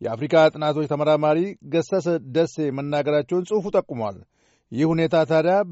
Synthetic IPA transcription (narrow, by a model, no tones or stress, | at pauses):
jɛ̰afɾikʼat̪ʼɨnat̪ʰot͡ʃːt̪ʰəməɾamaɾiɡəsəsəd̪əsːe̞mənːaɡəɾat͡ʃːɛwnsʼɨfut̪ʼəkʼːumwa̰l | jɪhune̞t̪ʰat̪ʰad̪ja